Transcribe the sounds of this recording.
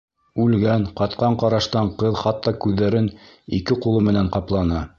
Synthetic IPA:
ʉlɡænqɑt̪qɑɴqɑɾɑʃt̪ɑɴqɤðχɑt̪ːɑkʉðːæɾɘn | ikɘqulˠɤmɘ̆næɴqɑplˠɑnɑ

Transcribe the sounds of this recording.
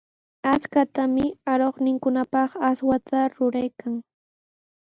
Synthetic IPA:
at͡skat̪amɪaɾoχnɪŋkʊnapɑχaswat̪ʰaɾʊɾajkʰaŋ

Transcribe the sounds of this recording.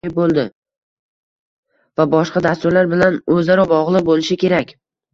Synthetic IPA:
ɪbolˠd̪ɪ | vabɒʃqɑd̪ast̪ʊɾlaɾbɪlanɵzaɾɒbɒʁlˠɨqbolɪʃɪkʲe̞ɾakʲ

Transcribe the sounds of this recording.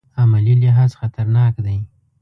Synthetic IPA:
amalilɪɦɑzxat̪aɾnɑkd̪aj

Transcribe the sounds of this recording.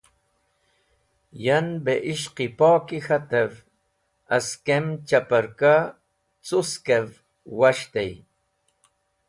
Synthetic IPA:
janbeʔɪʃqipoːkɪxat̪av | askemt͡ʃapaɾka | t͡sʊskev | waʃt̪aj

